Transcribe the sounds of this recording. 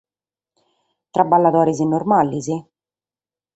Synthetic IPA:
t̪ɾabːalːat̪ɔːɾizinːormalːizi

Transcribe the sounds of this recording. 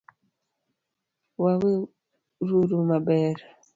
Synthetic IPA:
wawe | ɾuɾumabɛɾa

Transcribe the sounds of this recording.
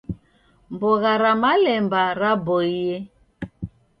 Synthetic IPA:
mbɔɣaɾamalɛmbaɾabɔiɛ

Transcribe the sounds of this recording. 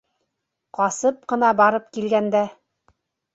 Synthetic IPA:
qɑsɤp̚qɤ̆nɑbɑɾɤp̚kilɡænd̪æ

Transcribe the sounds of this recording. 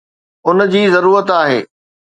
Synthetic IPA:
ʊn̆d͡ʑiːzɐɾuːɾət̪aːɦḛː

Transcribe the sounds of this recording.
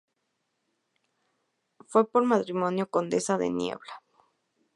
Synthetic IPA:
fwe̞po̞ɾmat̪ɾimo̞njo̞ko̞nd̪e̞saðḛnjḛβla

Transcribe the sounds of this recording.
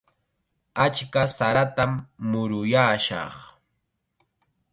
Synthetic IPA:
at͡ʃkasaɾat̪amːʊɾʊjaːʃɑ̰χ

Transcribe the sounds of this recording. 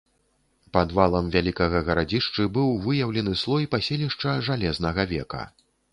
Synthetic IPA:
pad̪valˠɐmvʲalʲikɐɣɐɣɐɾad͡zʲiʂt͡ʂɨbɨwvɨjɐwlʲɛnɨslˠɔjpasʲelʲiʂt͡ʂɐʐalʲɛznɐɣɐvʲɛ̰kɐ̰

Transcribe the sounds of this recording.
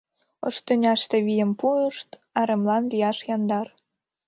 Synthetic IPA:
o̰ʃt̪ønʲɑʃt̪ĕβijə̆mpuəʃt̪ɑɾemlɑnlijɑʃjɑnd̪ɑr

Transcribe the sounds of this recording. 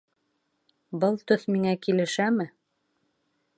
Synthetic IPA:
bɤlˠt̪ɵθmiŋækilɘ̆ʃæmɘ

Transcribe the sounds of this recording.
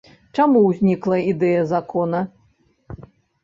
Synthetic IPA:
t͡ʂamuwzʲnʲiklˠɐid̪ɛjɐzakɔnɐ

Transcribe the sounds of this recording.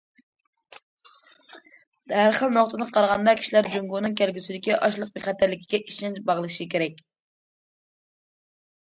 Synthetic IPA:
æɾχəlˠnoχt̪ʰɨd̪qʰɑɾʁɑnd̪ɑkʲʰi̥ʃilæɾd͡ʒoŋɡunɨŋkʲʰælɡʲysyd̪ɪkʲiʔɑʃlˠəq̚beχæt̪ʰæɾlɪkʲʰi̥ɡʲɛʔiʃɛnt͡ʃbɑʁlˠɨʃikʲʰeɾɛk̚ʲ

